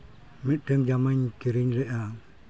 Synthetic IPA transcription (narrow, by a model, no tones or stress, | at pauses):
mit̪̚ˀʈɛŋd͡ʒamaɲkiɾiɲɾɛʔa